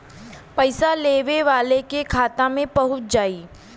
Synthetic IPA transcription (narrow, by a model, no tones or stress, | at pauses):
pəɪsaleːʋeʋaːlekekʰaːt̪amẽbɐɦʊt̪̚d͡ʒaːiː